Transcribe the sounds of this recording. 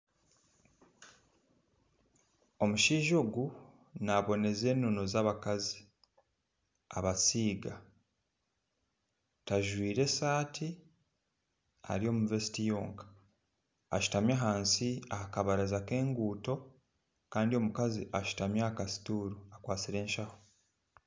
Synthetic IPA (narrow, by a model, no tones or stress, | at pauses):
o̞muʃiːʒo̞ːɡu | naβo̞ne̞ze̞ːnːono̞zaːβakazi̥ | a̰βasiːɡa | taʒwiːɾe̞saːtʰi | a̰ɾio̞muvesitijoːŋkḁ | a̰ʃu̥tamjaɦaːnsiahakaβaɾazake̞ːŋɡuːto̞ | kaːndio̞mukaziʔaʃu̥tamjakasi̥tuːɾuakwaːt͡siɾe̞ːnʃaho̥